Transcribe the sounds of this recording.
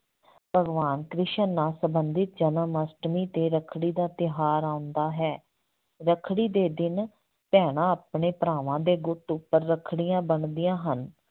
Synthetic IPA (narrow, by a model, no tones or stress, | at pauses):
b̥ʱəɡʋaːnkɾɪʃənːaːsəbənd̪ɪt̪̚d͡ʒənəməsʈmiːt̪eːɾəkʰɽiːd̪aːt̪ɪɦaːɾaːʊnd̪aːɦɛː | ɾəkʰɽiːd̪eːd̪ɪn | pɛːɽ̃ãːapɳeːpɾaːʋãːd̪eːɡʊʈʊpːəɾːəkʰɽijãːbəɳd̪ijãːɦən